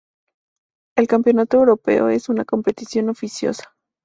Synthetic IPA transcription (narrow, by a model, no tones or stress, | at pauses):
e̞lkampjo̞nat̪oewɾo̞pe̞̰o̞̰e̞sunako̞mpe̞t̪isjo̞no̞fisjo̞̰sḁ